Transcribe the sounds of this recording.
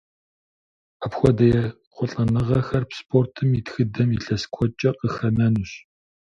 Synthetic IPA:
apxʷɔdɐjɛ | qʷɔɬʼɐnɨʁɐxɐrpspʰortʰɨmitxɨdɐmiɬɐskʷʰɔt͡ʃʼɐqəxɐnɐnuɕ

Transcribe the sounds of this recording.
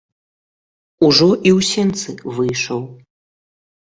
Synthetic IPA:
uʐɔʔiwsʲɛnt̪sɨvɨjʂɐw

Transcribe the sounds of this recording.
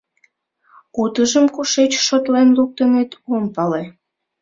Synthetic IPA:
ut̪əʒəmkuʃet͡ɕʃot̪lenluk̚t̪ənet̪ompɑle

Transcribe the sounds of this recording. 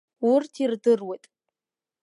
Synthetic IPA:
ʊrtʰirdɨrwejtʼ

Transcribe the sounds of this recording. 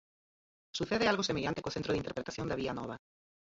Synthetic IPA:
suθeðɪalɣosemeʎant̪ekoθent̪ɾoð̞int̪ɾpɾet̪aθjond̪aβianɔβa

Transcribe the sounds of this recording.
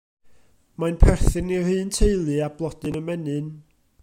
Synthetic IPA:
majnpʰɛrθɨnihɨːntʰeɨlˠɨablˠɔd̥ɨnəmɛnɨn

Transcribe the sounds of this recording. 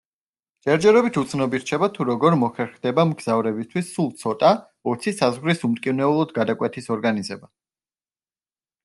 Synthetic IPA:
d͡ʒɛɾd͡ʒɛɾɔbit̪ʰut̪sʰnɔbiɾt͡ʃʰɛbat̪ʰuɾɔɡɔɾmɔχɛɾχd̪ɛbamɡz̥avɾɛbist̪ʰwisːulˠt̪sʰɔt̪ʼa | ɔt̪sʰisazʁɾisumt̪ʼkʼivnɛulˠɔd̪ɡad̪akʼwɛt̪ʰisɔɾɡanizɛba

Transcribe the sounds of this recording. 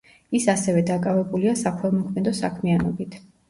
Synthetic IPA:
isasɛvɛd̪akʼavɛbuliasakʰɛlˠmɔkʰmɛd̪ɔsakʰmianɔbit̪ʰ

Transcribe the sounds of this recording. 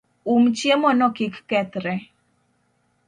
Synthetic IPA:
umt͡ʃjemɔnɔkɪkːɛt̪ɾɛ

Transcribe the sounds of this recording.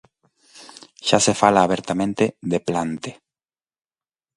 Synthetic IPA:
ʃasefalaːβeɾt̪amẽnt̪eðeplant̪e

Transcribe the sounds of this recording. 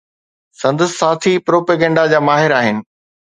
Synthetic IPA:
sɐ̃nd̪əssaːt̪ʰipɾoːpeːɡə̃ɳɖad͡ʑaːmaːɦɪɾaːɦɪnɪ̆

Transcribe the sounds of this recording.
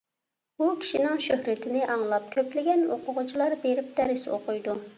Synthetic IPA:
bukʲʰi̥ʃinɪŋʃøhɾɪt̪ʰɪnɪʔɑŋlˠɑp̚kʲʰøplɪɡʲɛnoqʰʊʁʊt͡ʃʰilˠɑɾbeɾɪp̚d̪̥ɛɾɪso̰qʊjd̪u

